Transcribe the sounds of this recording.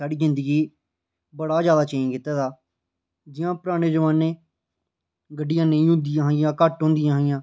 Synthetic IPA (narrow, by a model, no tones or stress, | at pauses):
saːɽiːzɪ̃nd̪əɡiː | bəɽaːd͡ʒjaːd̪aːt͡ʃəĩkɪt̪ːaːt̪aː | d͡ʒɪjãːpəɾaːɽ̃eːd͡ʒəʋaːnːeː | ɡəɖːɪjãːnəĩːɦõːnd̪ijãːɦɪjãːkəʈɦõːnd̪ɪjãːɦɪjãː